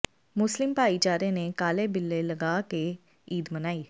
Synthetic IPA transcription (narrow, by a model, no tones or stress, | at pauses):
mʊslɪmpaːiːt͡ʃaːɾẽːneːkaːleːbɪlːeːləɡaːke | iːd̪mənaːiː